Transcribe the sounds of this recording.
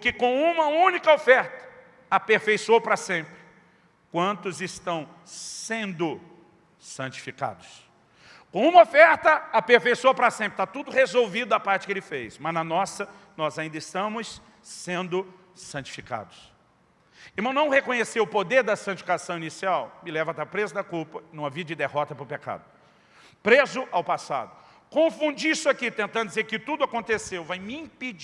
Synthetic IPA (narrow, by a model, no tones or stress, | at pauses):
ʊkɪkõw̃ũmɐũnikɐofɛɾt̪ɐ̥ | ɐpeɾfejsoɾpɾɐsẽmpɾɪ | kwɐ̃nt̪ʊzɪst̪ɐ̃w̃ | sẽnd̪ʊ | sɐ̃t͡ʃi̥fika̰d̪ʊs | kõw̃ũmɐofɛɾt̪ɐapeɾfejsuoɾpɾɐsẽmpɾɪt̪at̪ud̪ʊhezowvid̪ʊɐpaɾt͡ʃɪ̥kelɪfejsmɐznɐnɔsɐ | nɔzaĩnd̪ɐɪst̪ɐ̃mʊsː | ẽnd̪ʊ | sɐ̃nt͡ʃi̥fika̰d̪ʊs | ɪɾmɐ̃w̃nɐ̃w̃hekõɲesewʊpod̪eɾd̪ɐsɐ̃t͡ʃifikasɐ̃w̃inisiawmɪlɛvɐat̪aɾpɾezʊd̪ɐkuwpɐnũmɐvid͡ʒɪd̪ehɔt̪ɐpʊɾpeka̰d̪ʊ | pɾezʊʔawpasa̰d̪ʊ | kõfũd͡ʒisʊakit̪ẽnt̪ɐ̃nd̪ʊd͡ʒɪzeɾkɪt̪ud̪ʊakõnt̪esewvajmɪĩpid͡ʒ